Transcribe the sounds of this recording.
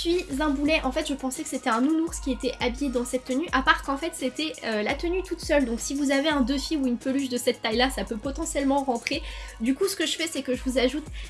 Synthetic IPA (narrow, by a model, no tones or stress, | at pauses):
sɥizɛ̃bulɛʔɑ̃fɛt̪ʒəpɑ̃sɛkə̥set̪ɛɛ̃nunuʁskʲiet̪ɛʔabijed̪ɑ̃sɛt̪ːənyʔapaʁkɑ̃fɛt̪set̪ɛølat̪ənyt̪ut̪sœld̪ɔ̃ksivuzaveɛ̃d̪øfiuynpəlyʃ̬d̪əsɛt̪ːajlasapøpɔt̪ɑ̃sjɛlmɑ̃ʁɑ̃t̪χed̪ykusə̥kəʒəfɛsɛkəʒəvuzaʒut̪